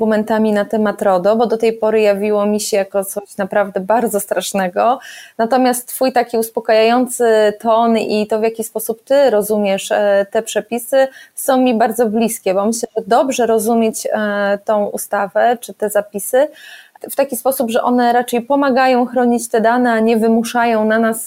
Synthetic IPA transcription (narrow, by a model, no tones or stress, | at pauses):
umɛnt̪amʲinat̪ɛmat̪ɾɔd̪ɔbɔd̪ɔt̪ɛjpɔɾɘjavʲiwɔmʲiɕɛjakɔt̪sɔɕnapɾavd̪ɛbaɾd̪zɔst̪ɾaʂnɛɡɔnat̪ɔmʲjast̪t̪ːfujt̪akʲiuspɔkajajɔnt̪sɘt̪ɔnit̪ɔvʲjakʲispɔsup̚t̪ɘɾɔzumʲjɛʂt̪ɛpʂɛpʲisɘsɔ̃w̃mʲibaɾd̪zɔblʲiskʲɛbɔmɘɕlɛʐɛd̪ɔbʐɛɾɔzumʲjet͡ɕt̪ɔ̃w̃ʔṵst̪avɛt͡ʂɘt̪ɛzapʲisɘft̪akʲispɔsubʐɛʔɔnɛɾat͡ʂɛjpɔmaɡajɔ̃w̃xɾɔɲit͡ɕt̪ɛd̪anɛaɲɛvɘmuʂajɔ̃w̃nanas